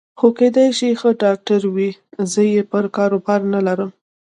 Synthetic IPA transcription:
xoked̪ajʃixəɖɑk̚ʈaɾwizəjepəɾkɑɾopɑɾnalaɾəm

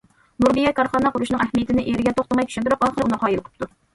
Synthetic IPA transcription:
nuɾbijɛkʰɑɾχɑnɑqʊɾuʃnɨŋæhmijɪt̪ɪnɪʔeɾɪɡʲɛt̪ʰoχt̪ɑmɑjt̪ʰy̥ʃynt̪uɾʊqɑːχəɾɨunɨqʰɑjilˠqʰə̥p̚t̪ʰːu

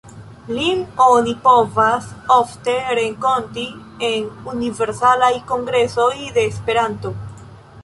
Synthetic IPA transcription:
linonipo̞vasofte̞ɾe̞ŋko̞nti | enunive̞ɾsalajko̞ŋɡɾe̞so̞jde̞ːspe̞ɾanto̞

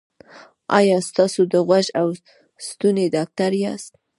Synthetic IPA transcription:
ɑ̰jɑst̪ɑsod̪əɣwaʒaw | st̪uned̪ɑk̚t̪aɾjɑst̪̚

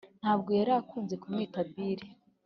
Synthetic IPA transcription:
n̥haːb̚ɡo̞jaɾakuːnze̞kumŋiːtabiːɾe

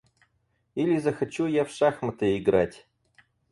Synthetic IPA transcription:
ilʲɪzəxɐt͡ɕujafʂaxmət̪əɪɡɾatʲ

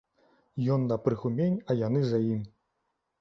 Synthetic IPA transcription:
jɔnːɐpɾɨxumʲenʲɐjanɨzajimʲ

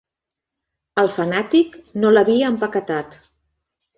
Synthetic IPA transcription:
əlˠfənat̪iknoləβiəːmpəkət̪at̪

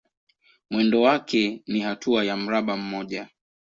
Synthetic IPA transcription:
mwɛndɔwakɛnihatʰuajam̩ɾaɓam̩mɔʄa

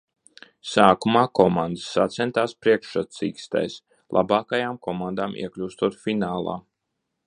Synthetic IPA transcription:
saːkumaːkɔmand̪əsːat̪sɛnt̪aːspɾiɛkʃat̪sḭːkst̪a̰js | lˠʔa̰baːkajaːmkɔmand̪aːmḭɛklʲuːst̪uɔt̪finaːlˠa̰ː

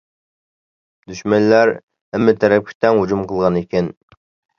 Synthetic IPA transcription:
d̪yʃmɛnlæɾ | ɛmːɪt̪ʰɛɾɛp̚kʲʰi̥t̪ɛŋhud͡ʒumqʰəlˠʁɑnekʲʰɛn

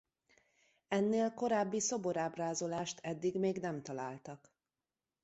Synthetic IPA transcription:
ɛnːeːlko̞ɾaːbːiso̞bo̞ɾaːbraːzo̞laːʃt̪ʰɛd̪ːiɡmeːɡnɛmt̪ɒlaːlt̪ɒk

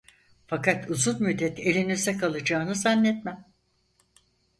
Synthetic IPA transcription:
fakat̪ʰuzunmyd̪ːɛt̪elʲinyzɛkʰalˠɯd͡ʒaːnɯzanlːɛt̪mæm

